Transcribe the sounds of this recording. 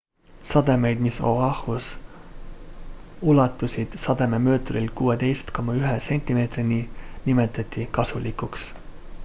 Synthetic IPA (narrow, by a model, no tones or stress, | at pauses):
sɑd̪̥e̞me̞jd̪̥miso̞ɑhus | ulɑt̪ːˑusid̪̥sɑd̪̥e̞me̞mø̞ːt̪orilkuːe̞t̪e̞jst̪ko̞mɑyɦese̞nʲt̪ʲːime̞ːt̪rininime̞t̪ːˑɑt̪ʲˑːikɑsulikuks